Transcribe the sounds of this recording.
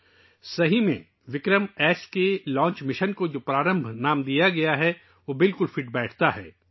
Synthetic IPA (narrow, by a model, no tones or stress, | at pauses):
sɐɦimḛ̃ | ʋɪkɾəmɛːskelɔ̃ːɲt͡ʃmɪʃənkod͡ʒoːpɾaːɾə̃mbʱnaːmd̪ijaɡɐjaɦɛ | ʋoːbɪlkʊlfɪʈ̚bɛːʈʰt̪aɦɛː